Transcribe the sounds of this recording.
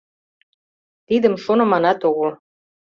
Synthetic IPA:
t̪id̪ə̆mʃonɤ̆mɑnɑt̪oɣə̆l

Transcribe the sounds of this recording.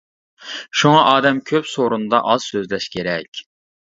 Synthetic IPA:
ʃuŋɑʔɑːd̪ɛmkʲʰøpsoɾund̪ɑ̰ʔɑz̥søzlɛʃkʲʰeɾɛkʲ

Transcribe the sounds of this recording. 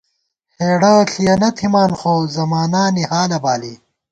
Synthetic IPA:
heːɽɐɬʰijɐnɐt̪ʰimaːnxoːzɐmaːnaːnihaːlɐbaːliː

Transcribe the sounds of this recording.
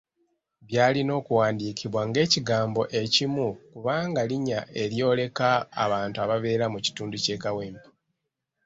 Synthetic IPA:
βjaːlino̞ːkuwaːndiːkiβwaŋɡe̞ːciɡaːmbo̞ʔe̞cimukuβaːŋɡaliɲaʔe̞ɾjo̞ːle̞kaːβaːntuaβaβe̞ːɾamuci̥tuːnduce̞ːkaweːmpḁ

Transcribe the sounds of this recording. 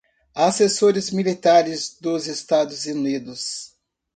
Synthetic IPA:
asesoɾɪzmilit̪aɾɪzd̪ʊzest̪ad̪ʊzunid̪ʊs

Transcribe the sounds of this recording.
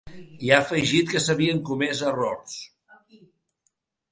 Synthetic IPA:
iafəʒit̪kəsəβiəŋkumɛzərɔrs

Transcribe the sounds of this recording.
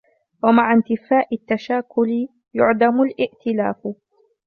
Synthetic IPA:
wamaʕant̪ɪfaːʔɪt̪ːaʃaːkʊl | jʊʕd̪amʊlʔɪʔt̪ɪla̰ːf

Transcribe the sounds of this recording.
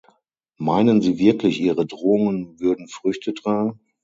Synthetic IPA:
maɪnənziːvɪɐklɪçʔiːʁədʁoːʊŋənvʏɐdn̩fʁ̥ʏçtədʁ̥aːɡŋ̩

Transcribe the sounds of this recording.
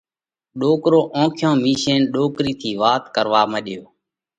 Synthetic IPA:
ɗoːkɾoːʔõːkʰjõːmiːʃeːnɗoːkɾiːt̪ʰiːʋaːt̪kəɾʋaːməɗjoː

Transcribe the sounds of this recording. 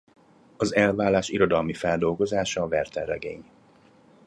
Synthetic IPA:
ɒzɛlvaːlːaːʃiɾo̞d̪ɒlmifɛld̪o̞lɡo̞zaːʃɒːvɛrt̪ɛrːɛɡḛːɲ

